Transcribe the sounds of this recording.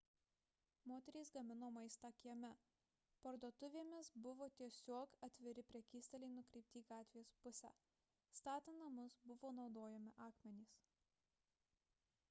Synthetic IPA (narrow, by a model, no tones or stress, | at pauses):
moːt̪ʲɛɾʲiːsɡɐmʲɪnoːmɐɪst̪ɑkʲiɛmʲɛ | pɐɾd̪oːt̪ʊʋʲeːmʲɪsbʊʋoːt̪ʲiɛsʲoɔkɐt̪ʲʋʲɪɾʲɪpʲɾʲiɛkʲiːsʲt̪ʲɐlʲɛɪnʊkɾʲɛɪp̚ʲt̪ʲiːɡɑːt̪ʲʋʲijɛspʊsʲæ̰ː | st̪ɑːt̪ʲɪnɐmʊsbʊʋoːnɒʊd̪oːjɛmʲɪʔɑːkmʲɛnʲiːs